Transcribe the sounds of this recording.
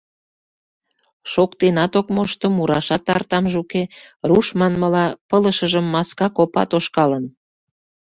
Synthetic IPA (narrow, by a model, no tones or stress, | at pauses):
ʃokt̪enɑt̪okmoʃt̪omuɾɑʃɑt̪ːɑrt̪ɑmʒukeruʃmɑnməlɑpələʃəʒəmːɑskɑkopɑ̰t̪oʃkɑlən